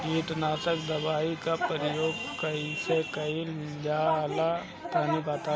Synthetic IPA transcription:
ɾiːʈnaːt̪əkd̪əbaːikapəɾɪjoːɡkəisekəil | d͡ʒala | t̪ənibaːt̪aː

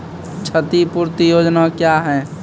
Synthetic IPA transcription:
t͡ʃʰət̪ipuɾt̪ijoːd͡ʒnakjaɦɛ

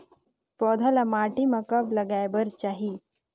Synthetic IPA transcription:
pɔːd̪ʱalamaːʈimãkɐblɐɡaːjbəɾt͡ʃaːɦi

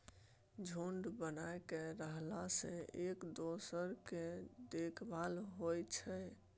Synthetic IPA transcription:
d͡ʒʱoɳɖbənaekeɾəɦlasẽekd̪osəɾked̪ekʰbalɦojt͡ʃʰɛ

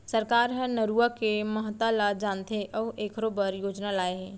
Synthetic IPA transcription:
səɾkaːɾɦənəɾuakeməɦət̪alad͡ʒaːnt̪ʰeʔɔːeːkʰɾobəɾjoːd͡ʒnalaːeɦɛ̃ː

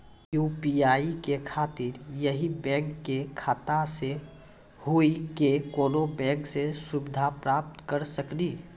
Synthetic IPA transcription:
juːpiaːikekʰaːt̪iɾjəɦibɛ̃ːŋkːekʰaːt̪ase | huikekoːnobɛ̃ːŋksesʊbɪd̪ʱapɾaːp̚t̪kəɾsəkli

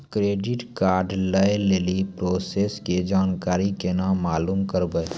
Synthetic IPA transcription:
kɾeːɖɪʈkaːɾɖləeleːlipɾoːseːsked͡ʒaːnkaːɾikenãmaːluːmkəɾbə

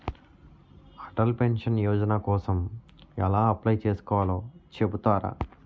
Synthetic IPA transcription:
kʰɐ̥ʈɐlpenʂɐnjɔːd͡ʒɐnɐkɔːsɐm | ɛlaːɐplɐjt͡ʃeːsu̥kɔːʋaloːt͡ʃe̞but̪aːɾɐ̰

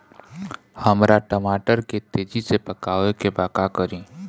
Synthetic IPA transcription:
həmɾaʈəmaːʈəɾket̪eːd͡ʒisepəkaːʋekebaːkakəɾĩː

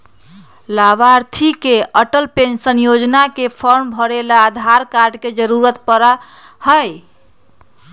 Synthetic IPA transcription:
laβaɾt̪ʰikeəʈəlpensənjod͡ʒnakepʰəɾmbʱəɾelaːd̪ʱaɾkaɾɖked͡ʒəɾuɾət̪̚pəɾa | həj

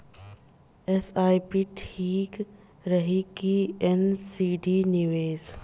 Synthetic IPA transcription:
esaːjpiʈʰiːk | ɾəɦikiɛnsiːɖinɪʋeːz

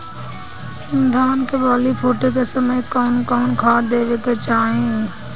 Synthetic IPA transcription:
sɪnd̪ʱaːnkebɔːlipʰoːʈekesəməjkɔːnkɔːnkʰaːd̪eːʋeket͡ʃaːɦẽ

